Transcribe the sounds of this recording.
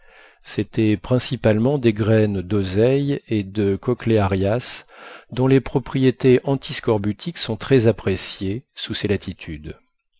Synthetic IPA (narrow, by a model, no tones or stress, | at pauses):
sɛt̪ɛpχɛ̃sipalmɑ̃d̪eɡʁɛnd̪ozɛjed̪əkɔkleaʁjasd̪ɔ̃lepχɔpχijet̪eʔɑ̃t̪ʰiskɔʁbyt̪ʰiksɔ̃t̪χɛzapχesjesuselat̪ʰit̪ʰyd̪